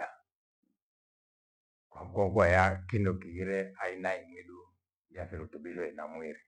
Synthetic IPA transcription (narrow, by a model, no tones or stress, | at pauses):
a | kwaŋkɔŋkuajakindɔkiɣiɾɛainaimwiɗu | jafiɾutubilwɛnamwiɾi